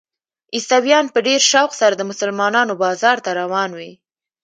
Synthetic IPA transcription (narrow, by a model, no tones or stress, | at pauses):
ist̪awjɑnpəɖeɾʃawxsaɾad̪əmʊsəlmɑnɑnobɑzɑɾt̪aɾawɑnwi